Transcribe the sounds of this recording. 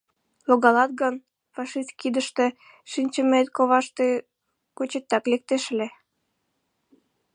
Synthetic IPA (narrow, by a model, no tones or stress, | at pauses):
loɣɑlɑt̪̚ɣən | fɑʃist̪̚kid̪əʃt̪ĕ | ʃinʲt͡ɕə̆met̪koβɑʃt̪e | kot͡ɕet̪ːɑklek̚t̪eʃəle